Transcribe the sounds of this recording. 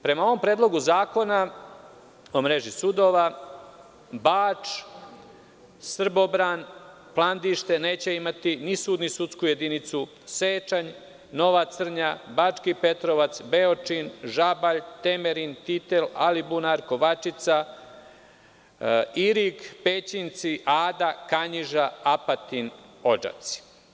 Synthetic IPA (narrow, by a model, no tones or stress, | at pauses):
pɾe̞mao̞ʋo̞mpɾeːd̪lˠo̞ɡuzaːko̞na | omɾe̞ʒisud̪o̞ːʋa | baːt͡ʃ | sr̩bo̞bɾan | plˠand̪iʃt̪e̞ne̞ːt͡ɕe̞imat̪inisuːd̪nisut̪skujed̪init̪su | seːt͡ʃaɲ | no̞ʋat̪sr̩ɲabat͡ʂkipe̞t̪ɾoʋat̪sbeot͡ʂinʒabaʎt̪e̞meɾint̪it̪elalibunaɾko̞ʋat͡ʃit̪sa | iɾikpet͡ɕint̪siʔaːd̪akaɲiʒaapat̪ino̞d͡ʒa̰t̪si̥